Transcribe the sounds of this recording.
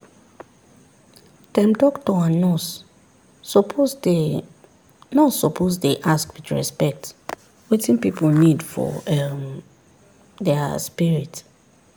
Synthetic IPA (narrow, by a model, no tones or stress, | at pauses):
tɛ̃mdɔktɔãnɔ | nɔsɔpʰozdeʔaskwiθɹɛ̰spɛk̚t | wetĩnpipʰol̩nidfɔ̰ɛm | dɛspiɹit